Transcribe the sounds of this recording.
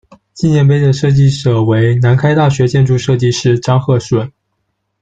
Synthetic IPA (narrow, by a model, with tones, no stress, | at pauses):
t͡ɕi˥˧njɛ˥˩np̬e˥ɪd̪ə˨ʂɤ˥˧t͡ɕi˥˩ʂɤ˨˩we˧˥ɪna˧˥nkʰa˥ɪt̪a˥˩ɕɥɛ˧˥t͡ɕjɛ˥˧nʈ͡ʂu˥˧ʂɤ˥˧t͡ɕi˥˧ʂɻ̩˥˩ʈ͡ʂɑ˥ŋxɤ˥˧˩ʂwə˨˩˦n